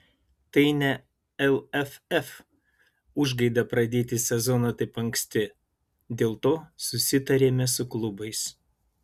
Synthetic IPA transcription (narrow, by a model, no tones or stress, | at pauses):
t̪ɐɪnʲɛ | ɛlʲˠɛfɛf | ʊʒɡɐɪd̪ɐpɾɐd̪ʲeːt̪ʲɪsʲɛzɔnɐt̪ɐɪpɐŋksʲt̪ʲɪ | d̪ʲeːlˠt̪oːsʊsʲɪt̪ɐɾʲeːmʲɛsʊklˠʊbɐɪs